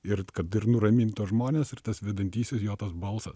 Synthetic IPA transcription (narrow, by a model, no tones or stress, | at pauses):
ɪɾkɐt̪ɪɾnʊɾɐmʲiːnʲt̪uɔsʒmoːnʲeːsɪɾt̪ɐsʋʲɛd̪ɐnʲt̪ʲiːsʲɪsjoːt̪ɐsbɐlˠsɐs